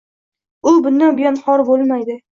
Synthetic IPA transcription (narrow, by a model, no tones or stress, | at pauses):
ʊbʊnd̪anbɪjɒnhɒɾbolˠmajd̪ɪ